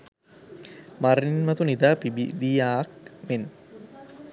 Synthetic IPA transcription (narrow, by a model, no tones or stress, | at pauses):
maɾniinmɐt̪unid̪aːpiid̪ijaːkmen